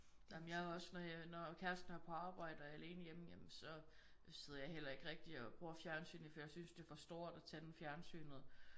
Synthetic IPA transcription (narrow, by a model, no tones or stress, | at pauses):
jamənjɑhɒ̽snɒjnɒkʰæɐsd̥n̩æpʰɒ̽ɑ̈ːb̥ɑ̈ɪ̰d̥ɐæle̝ːnəjemjemsɒ̽ | seð̞ˠɐjɑ̈ɪɦel̰ɐe̝ɡ̥əʁeɡ̥̚d̥iɒb̥ʁuɐfjæɐnsy̰ːnəfɒjɑ̈ɪsynsd̥e̝fɒ̽sd̥o̝ːɐ̰d̥æt͡sʰæd̥n̩fjæɐnsy̰ːnəð̩ˠ